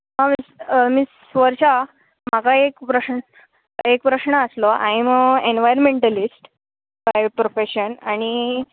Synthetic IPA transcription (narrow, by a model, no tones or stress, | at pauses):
ɦãmismis | ʋəɾɕa | m̤akaekpɾəɕɳ | ekpɾəɕɳəəsloʔa̰jmenʋajəɾmeɳʈəlisʈ | bajpɾofeɕənaɽ̃i